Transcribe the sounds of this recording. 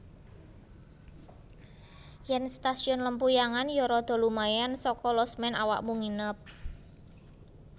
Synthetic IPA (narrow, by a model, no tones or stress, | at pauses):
jɛnst̪asiɔnləmpujaŋanjɔɾɔd̪̥ɔ̤lumajansɔkɔlɔsmɛna̰wa̰kmuŋinəp̚